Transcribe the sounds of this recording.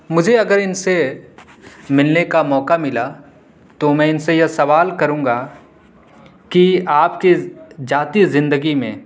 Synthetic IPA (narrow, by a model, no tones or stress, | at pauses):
mʊd͡ʒʱeɐɡəɾɪnse | mɪlnekamɔːkamɪla | t̪omɛ̃ɪnsejɐsɐʋaːlkɐɾũːŋɡa | kiaːpkid͡ʒaːt̪izɪ̃nd̪əɡimḛ̃